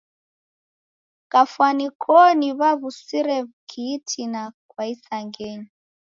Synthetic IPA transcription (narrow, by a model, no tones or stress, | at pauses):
kafwanikʰɔniβaβusiɾɛβukʰiːtʰinakwaisaŋɡɛɲi